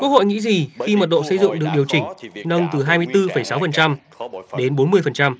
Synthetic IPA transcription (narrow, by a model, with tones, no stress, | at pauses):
kwu˦ək̚ho̰˧˨ŋḭ˧˥zi˨˩xi˧mə˨˩t̚ɗo̰˧˨sə˧jzɨ̰˧˨ŋɗɨ˨˩ək̚i˨˩əwt͡ɕï˧˩ŋ̟nə˧wŋ͡mt̪ɨ˨˩ɦaː˧jmɨ˧əjt̪ɨ˧fə˧˩jsa˨˦wfə˨˩nt͡ɕa˧m | ɗe˨˦nɓo˨˦nmɨ˧əjfə˨˩nt͡ɕa˧m